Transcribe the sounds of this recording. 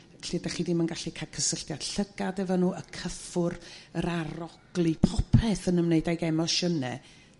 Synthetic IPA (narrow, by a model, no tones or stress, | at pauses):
ɬiːdaχidimanɡaɬikʰakʰəsəɬtjad̥ɬəɡadɛvɔnuːəkʰəfʊrəɾaɾɔɡ̥lˠipʰɔpʰɛθənəmneɨdajɡɛmɔʃənɛ